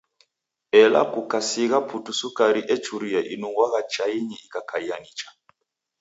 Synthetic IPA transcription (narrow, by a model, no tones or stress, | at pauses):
ɛla̰kukasiɣapʰutusukaɾiʔɛt͡ʃuɾiaʔinuŋɡwaɣat͡ʃaiɲɛikakʰaianit͡ʃḁ